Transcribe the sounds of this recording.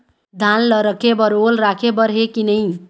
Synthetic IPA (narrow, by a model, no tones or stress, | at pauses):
d̪ʱanlʌɾʌkʰebʌɾolɾakʰebʌɾɦekinʌj̃